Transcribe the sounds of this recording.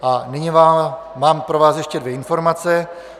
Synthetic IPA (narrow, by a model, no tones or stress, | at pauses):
ʔanɪɲivaː | maːmpɾo̞vaːsjɛʃcɛdvjeɛɪnfo̞ɾmat͡sɛ